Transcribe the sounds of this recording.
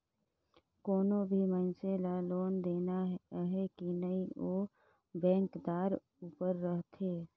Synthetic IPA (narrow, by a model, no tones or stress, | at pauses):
koːnobʱimənselaloːnd̪eːnaɦɛkinəĩoː | bɛ̃ːŋkd̪aːɾ | uːpəɾːəɦt̪ʰeː